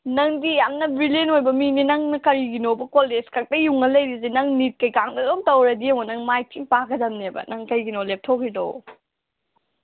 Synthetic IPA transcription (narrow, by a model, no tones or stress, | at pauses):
nɐŋdijamnɐbɾilenojbɐminenɐŋnɐkɐɾiɡinobɐkoleskʰak̚tɐjuŋɐlɐjɾizenɐŋnit̚kɐjkaŋdɐdomtɐwɾɐdiɐmonɐŋmajtiŋpaɡɐdɐmnebɐ̰nɐŋkɐjɡinolep̚tʰokʰːido̰